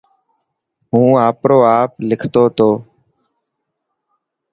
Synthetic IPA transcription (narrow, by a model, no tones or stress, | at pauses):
ɦũːaːpɾoːaːplɪkʰt̪oːt̪oː